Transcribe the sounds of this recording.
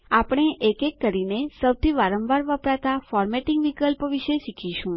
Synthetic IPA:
apɽ̃eʔekekːəɾinesəwt̪ʰiʋaɾəmʋaɾʋəpɾat̪afɔɾmeʈĩŋɡʋikəlpʋiʃeʃikʰiʃũ

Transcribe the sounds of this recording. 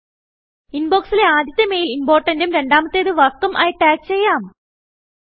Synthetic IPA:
inboːksileaːd̪ʱjɐt̪ːeme̞ːjilinbo̞ːrʈːɐndumɾe̞ɳɖaːmɐt̪ːeːðɨʋɐrkːɐmʔa̰ːjiʈːaːk̚t͡ɕe̞jːaːm

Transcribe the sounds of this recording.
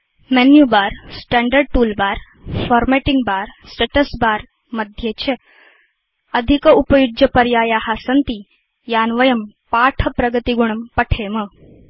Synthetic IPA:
mɛnjubaɾsʈɛɳɖəɾɖ̚ʈuːlbaːɾ | fɔːɾmeʈiŋɡbaːɾsʈeʈəsbaːɾ | məd̪ʱjet͡ɕʰe | ɐd̪ʱikupəjud͡ʒjɐpɐɾjaːjaɦasənt̪i | jaːnʋəjəm | paːʈʰəpɾɐɡət̪iɡuɳ̃ɐmpɐʈʰeːmə

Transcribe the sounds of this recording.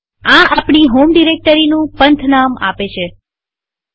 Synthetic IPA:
ãʔapɳ̃iɦomɖiɾek̚ʈəɾinũpənt̪ʰnama̰pet͡ʃʰe

